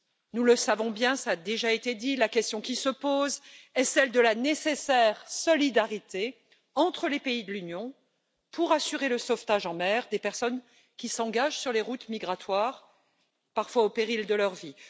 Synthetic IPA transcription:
nuləsavɔ̃bjɛ̃saːd̪eʒaet̪ed̪ilakʲɛst̪jɔ̃kʲisəpozɛsɛld̪əlanesesɛʁsɔlid̪aʁit̪e | ɑ̃t̪χəlepeid̪əlynjɔ̃ | pʰuʁasyʁeləsɔft̪aʒɑ̃mɛʁd̪epɛʁsɔn | kʲisɑ̃ɡaʒsyʁleʁut̪miɡʁat̪waʁ | paʁfwaopeʁild̪əlœʁvi

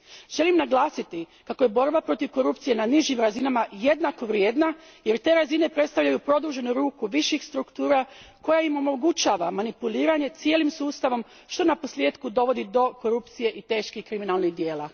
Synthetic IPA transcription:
ʒ̥e̞limnaɡlˠaːsit̪i | kakoje̞bo̞ɾbapɾo̞t̪iʋko̞ɾupt̪sije̞naniʒimɾazinamaje̞d̪nako̞ʋɾjeːd̪na | je̞ɾt̪e̞ːɾazine̞pɾe̞t̪st̪aʋʎajupɾo̞d̪uʒe̞nuɾuːkuʋiʃixst̪ɾukt̪uːɾako̞jaimo̞mo̞ɡut͡ʃaːʋamanipuliːɾaɲe̞t̪sijelimsuːst̪aʋo̞m | ʃt̪o̞napo̞slje̞ːt̪kud̪o̞ʋo̞d̪id̪o̞ko̞ɾupt̪sije̞ʔit̪e̞ːʃkixkɾiminalˠniɣd̪je̞ːla

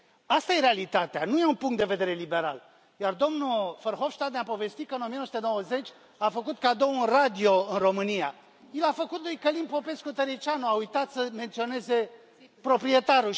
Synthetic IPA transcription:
ast̪aje̞ɾealit̪at̪ea̰nuje̞unpuŋkt̪d̪e̞ve̞d̪e̞ɾe̞libe̞ɾa̰l | jard̪o̞mnufərxo̞vʃt̪ad̪nʲapo̞ve̞st̪it̪kəɨnomienosut̪enowəze̞t͡ʃʲ | afəkut̪̚kad̪ounrad̪io̞ɨnro̞mɨnija̰ | jilafəkut̪lujkəlimpo̞pe̞skut̪əɾet͡ʃanuaujt̪at̪səme̞nt̪sio̞ne̞ze̞ | pɾo̞pɾie̞t̪aɾu

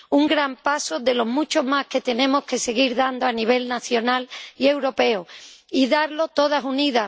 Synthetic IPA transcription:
uŋɡɾampasoðe̞lo̞ɦmut͡ʃo̞ɦmahke̞t̪e̞nẽ̞mo̞hke̞se̞ɣiɾðand̪oaniβ̞e̞lnaθjo̞nalie̞wɾo̞pe̞oiðaɾlo̞t̪o̞ð̞asuniða

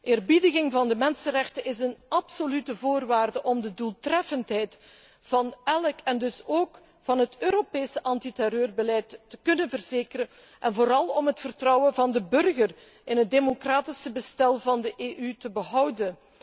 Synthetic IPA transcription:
ʔɪːrbidəɣɪŋvɑndəmɛnsənrɛxtənɪzənʔɑpsolytəvoːrʋaːrdəʔɔmdədulˠtrɛfəntɦɛjt | fɑnɛləkɛndɵsoːk | fɑnɦətøːɾopeːsəʔɑntitɛɾøːrbəlɛjtːəkɵnənvərzeːkərə | ʔɛnvoːɾɑlˠɔmɦətfərtrɔwənvɑndəbɵrɣər | ʔɪnɦət̚demokraːtɪsəbəstɛlˠvɑndəʔeːʔytəbəɦʌwdən

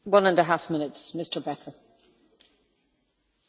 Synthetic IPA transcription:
wʌ̃nə̃ndəɦafmɪ̃nɪtsmɪstʰə˞bɛtʰə˞

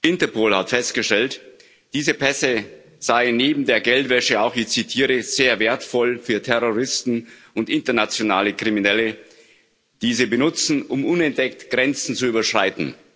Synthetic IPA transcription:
ʔɪntɐpʰoːlhatfɛstɡ̥əʃtɛlt | d̥iːzəpʰɛsə | z̥aɪənːeːbm̩deːɐɡɛltv̥ɛʃəaʊxɪçt͡sitʰiːʁəz̥eːɐveːɐtfɔlfyːɐtʰɛʁoʁɪstn̩ | ʊntɪntɐnat͡sjonaːləkʁ̥iminɛlə | d̥iːzibənʊt͡sn̩ʔʊmʔʊnɛnt̚d̥ɛk̚tɡ̥ʁɛnt͡sn̩t͡suyːbɐʃʁ̥aɪtn̩

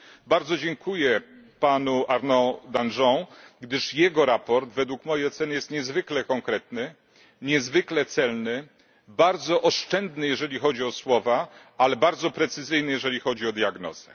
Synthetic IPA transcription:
baɾd̪zɔd͡ʑɛŋkʰujɛpanuaɾnɔd̪anʐɔ̃wɡd̪ɘʂjɛɡɔɾapɔɾd̪vɛd̪wukmɔjejɔt̪sɛnɘjɛst̪ɲɛzvɘklɛkɔŋkɾɛt̪nɘ | ɲɛzvɘklɛt̪sɛlnɘ | baɾd̪zɔʔɔʂt͡ʂɛnd̪nɘjɛʐɛlʲixɔd͡ʑiɔswɔva | alɛbaɾd̪zɔpɾɛt̪sɘzɘjnɘjɛʐɛlʲixɔd͡ʑiɔd̪jaɡnɔ̰z̥ɛ

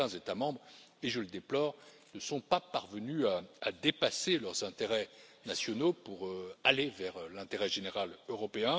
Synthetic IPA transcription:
ɛ̃zet̪amɑ̃bʁeʒələd̪eplɔːʁ | nəsɔ̃papaʁvənyaad̪epaselœʁzɛ̃t̪eʁɛnasjɔnopuʁøalevɛʁlɛ̃t̪eʁɛʒeneʁaløʁɔpeɛ̃

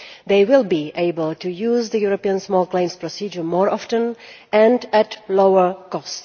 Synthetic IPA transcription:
d̪eɪwɪlˠbiʔeɪbəlˠtujuːzd̪əjuɾopiə̃nsmɔlˠklẽɪ̃mspɹɔsid͡ʒəɹmɔɹɔftə̃n | ɛ̃ndætloʊə˞kɔst

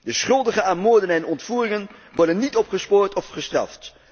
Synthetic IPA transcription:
dəsχɵlˠdəχəaːnmʊːɹdənɛnɔntfuːrɪŋənʋɔɹdənːitɔpχəspoːɹtɔfχəstrɑ̰ft

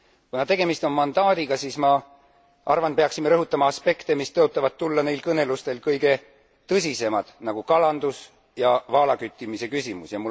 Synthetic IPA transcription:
kunɑt̪e̞ɡ̥e̞mist̪o̞nmɑnd̪ɑːd̪iɡ̥ɑsiːsmɑ | ʔɑrvɑnpe̞ɑksimeɾɤɦut̪ːˑɑmɑɑspe̞kt̪e̞mist̪ɤot̪ˑːɑvɑd̪̥̚t̪ːulːɑne̞jlkɤne̞lust̪e̞lkɤjɡe̞ | t̪ɤs̬ʲise̞mɑd̪̥nɑɡ̥ukɑlɑnd̪̥us | jɑvɑːlɑkyt̪ʲːˑimise̞kysʲimusjɑmu

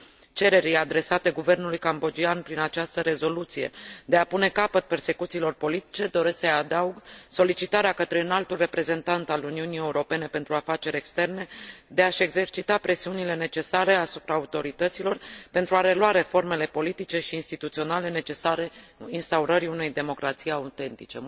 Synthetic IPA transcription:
t͡ʃe̞ɾe̞ɾilad̪ɾe̞sat̪e̞ɡuve̞rnulujkambo̞d͡ʒianpɾinat͡ʃast̪əɾe̞zo̞lut̪sije̞̰d̪e̞apune̞kapət̪̚pe̞rse̞kut̪silo̞rpo̞lit̪i̥t͡ʃe̞d̪o̞ɾe̞sksəjad̪auɡso̞lit͡ʃit̪aɾeakət̪ɾe̞ɨnalt̪ulre̞pɾe̞ze̞nt̪ant̪aluniunije̞uɾo̞pe̞ne̞pe̞nt̪ɾuafat͡ʃe̞ɾʲe̞kst̪e̞rne̞d̪e̞aʃe̞ɡze̞rt͡ʃit̪apɾe̞siunile̞ne̞t͡ʃe̞saɾe̞asupɾaːut̪o̞ɾit̪ət̪silo̞rpe̞nt̪ɾuaɾe̞lwaɾe̞fo̞rme̞le̞po̞lit̪it͡ʃe̞ʃiːnst̪it̪ut̪sio̞nale̞ne̞t͡ʃe̞saɾe̞inst̪auɾəɾiune̞jd̪e̞mo̞kɾat̪sijaut̪e̞nt̪ḭt͡ʃe̞

